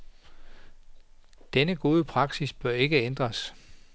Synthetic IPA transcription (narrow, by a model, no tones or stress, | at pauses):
d̥enəɡ̥o̝ːð̞ˠəpʰʁɑ̈ɡ̥sisb̥ɶɐe̝ɡ̥əend̥ʁɐs